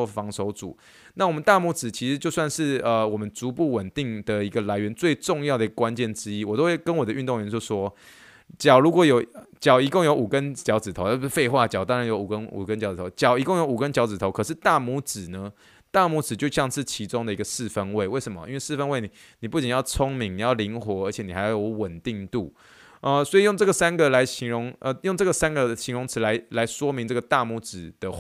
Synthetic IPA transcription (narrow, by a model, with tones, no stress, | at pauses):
fɑ˧˥ŋʂo˧˥ʊt͡sṵ˨˩˦ | na˥˩wɔ˨˩mə˦nt̪a˥˩mu˧˥t͡sɹ̩˨˩t͡ɕʰi˧˥ʂɻ̩˧˦t͡ɕjo˥˧ʊswa˥˧nʂɻ̩˥˩ə˨˧wɔ˨˩mə˦nt͡su˧˥pu˥˩wə˨˩nt̪i˥˨˩ŋd̪ə˨˩i˧˦˥ɡə˨la˧˥ɪɥɛ˧˦nt͡swe˥˧ɪʈ͡ʂʊ˥˧ŋjɑ˥˩ʊd̪ə˩i˧˥ɡə˧kwa˦˥nt͡ɕjɛ˥˩nʈ͡ʂɻ̩˥i˦˥wɔ˨˩t̪o˥˦we˥˩ɪkə˦nwɔ˨d̪ə˦ʔy˥˧nt̪ʊ˥˨ŋɥɛ˧˥t͡ɕo˥˩ʂwɔ˦ | t͡ɕjɑ˨˩ʊɻu˧˥kwɔ˨˩jo˨˩ʊt͡ɕjɑ˨˩ʊi˧˥ko˥˩ŋjo˧˥ʊʔu˨˩kə˦nt͡ɕjɑ˧˥ʊt͡sɹ̩˨˩t̪ʰo˧˦˥fe˥˧ɪxwa˥˩t͡ɕjɑ˨˩ʊt̪ɑ˦ŋɻa˨˦njo˧˥ʊu˨˩kə˦nṵ˨˩kə˦nt͡ɕjɑ˧˥ʊt͡s̩˨˩t̪ʰo˨˧˦ʊt͡ɕjɑ˨˩ʊi˧˥kʊ˥˩ŋjo˧˥ʊu˨˩kə˦nt͡ɕjɑ˧˥ʊt͡sɹ̩˨˩t̪ʰo˧˦kʰʂ̬ɻ̩˥˧t̪a˥˩mu˧˥t͡sɹ̩˨˩nə˦ | t̪a˥˩mu˧˥t͡sɹ̩˨˩t͡ɕjo˥˧ʊɕjɑ˥˧ŋʂɻ̩˥˩t͡ɕʰi˧˥t͡sʊ˦ŋd̪ə˨i˧˥ɡə˧ʂɻ̩˥˨fə˦nwe˥˩ɪwe˥˩ɪʂə˧˥mə̰˨ʔi˥nwe˥˧ɪʂɻ̩˥˩fə˥nwe˥˩ɪni˩ | ni˨˩pu˥˩t͡ɕi˨njɑ˥˩ʊt͡sʰʊ˥ŋmi˧˥ŋni˨˩jɑ˥˩ʊli˧˥ŋxwɔ˧˥ə˞˧˥t͡ɕʰjɛ˨˩ni˨˩xa˧˦jjo˧˦ʊwə˨˩nt̪i˥˧ŋt̪u˥˩ | ə˧swɔ˧˥i˨jo˥˩ŋʈ͡ʂɤ˥˩ɡə˩sa˥nɡə˨la˧˥ɪɕi˧˥ŋɻʊ˧˥ŋə˧˩jo˥˧ŋʈ͡ʂɤ˥˩ɡə˩sa˥nɡə˨ɕi˧˥ŋɻʊ˧˥ŋt͡sʰɻ̩˧˥la˧˥ɪla˧˥ɪʂwɔ˦mi˧˥ŋʈ͡ʂɤ˥˩ɡə˨˩t̪a˥˨mu˧˥t͡sɹ̩˨˩d̪̥ə˨